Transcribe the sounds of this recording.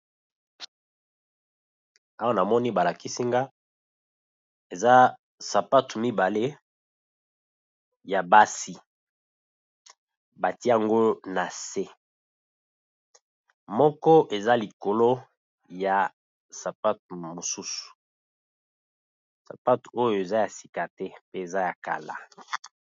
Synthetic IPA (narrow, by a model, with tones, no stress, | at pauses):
a˦wa˦na˨mɔ˦ni˦ba˨la˨ki˦si˦ŋɡa˦ | e˨za˦ | sa˨pa˦tu˨mi˦ba˨le˦ | ja˨ba˦si˨ | ba˨ti˦a˨ŋɡo˦na˨se˦ | mɔ˦kɔ˦ʔe˨za˦li˨ko˨lo˦ | ja˨ | sa˨pa˦tmo˨su˦su̥˨ | sa̰˨pa˦to˦jo˨e˨za˦ja˨si̥˨ka˨tɛ˦pe˦e˨za˦ja˨ka̰˨la̰˨